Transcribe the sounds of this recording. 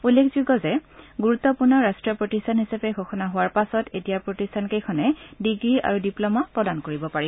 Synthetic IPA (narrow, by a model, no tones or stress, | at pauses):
ulːekʰzuɡɔzɛɡuɹut̪ːɔpuɹnɔɹastɹiɔpɹotistʰanɦisapɛɡʱɔxʰɔnaɦʊwaɹpasɔtetijapɹotistʰankejkʰɔnɛdiɡɹia̰ɹudiplɔmapɹɔdankoɹibɔpaɹi